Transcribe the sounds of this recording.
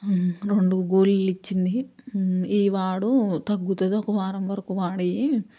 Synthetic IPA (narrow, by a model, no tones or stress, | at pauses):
ɾe̞ɳɖuɡoːlulit͡ʃːind̪i | iːʋaːɽut̪ɐɡːut̪ɐd̪oːkɐʋaːɾɐmʋɐɾɐkuʋaːɽɐji